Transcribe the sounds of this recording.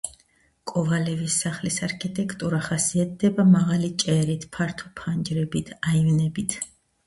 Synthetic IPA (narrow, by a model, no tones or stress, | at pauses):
kʼɔvalɛvisːaχlisaɾkʰit̪ʼɛkʰt̪ʼuɾaχasiat̪̚d̪ɛbamaʁalit͡ʃʼɛɾit̪ʰpʰaɾt̪ʰɔpʰand͡ʒɾɛbit̪ʰaivnɛbit̪ʰ